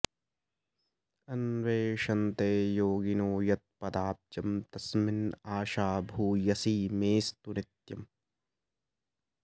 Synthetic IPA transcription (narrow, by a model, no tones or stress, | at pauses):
ɐnʋeːʃɐnt̪eːjoːɡinoːjɐt̪̚pɐd̪aːp̚d͡ʒɐmt̪ɐsmɪnaːʃaːbʱuːjɐsiːmeːst̪unɪt̪jɐm